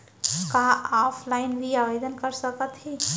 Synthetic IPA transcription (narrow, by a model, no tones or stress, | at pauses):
kaaːpʰlaːɪnbʱiaʋeːd̪ənkəɾsəkət̪ɦe